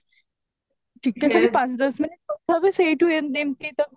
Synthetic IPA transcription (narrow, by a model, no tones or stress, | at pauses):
ʈik̚ʈ̪jakʰaɾipat͡sd̪əsminiʈ̚əsəɾʋiseʈuend̪emt̪iːt̪ə